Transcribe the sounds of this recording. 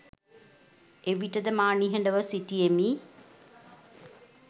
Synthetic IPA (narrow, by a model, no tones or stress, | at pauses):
eʋiʈəd̪əmaːniɦəɳɖəʋəsiʈiemiː